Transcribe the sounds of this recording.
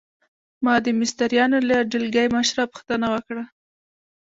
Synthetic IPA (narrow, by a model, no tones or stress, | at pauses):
mɑd̪əmɪst̪aɾjɑnolaɖɪlɡajmaʃɾɑpʊ̥xt̪ənawəkɽa